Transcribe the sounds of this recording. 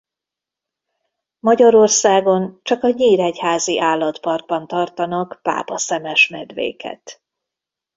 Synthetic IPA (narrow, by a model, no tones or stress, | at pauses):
mɒɟɒɾo̞rsaːɡo̞nt͡ʃɒkɒɲiːɾɛchaːziʔaːlːɒt̪pɒrɡ̚bɒnt̪ɒrt̪ɒnɒkpa̰ːpɒsɛmɛʃmɛd̪ʋḛːkɛ̰t̪